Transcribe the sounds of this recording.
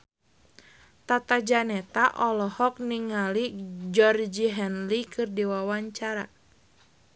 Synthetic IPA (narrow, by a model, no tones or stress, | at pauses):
t̪at̪ad͡ʒanɛt̪aʔɔlɔhɔk̚niŋalid͡ʒɔrd͡ʒiɦɛnlikʰɨrdiwawaɲt͡ʃaɾa